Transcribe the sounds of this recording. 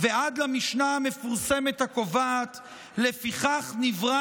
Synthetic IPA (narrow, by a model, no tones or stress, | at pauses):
veʔad̪lamiʃnaame̞fuʁse̞me̞t̪hako̞vat̪ | le̞fiχaχnivʁa